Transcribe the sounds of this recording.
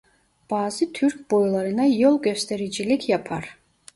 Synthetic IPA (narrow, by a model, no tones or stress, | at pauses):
b̥ɑːzɯt̪ʰyɾk̚ʲbojlˠɑɾɯnɑjolˠɡʲøst̪ʰɛɾid͡ʒilikʰjapʰɑɾ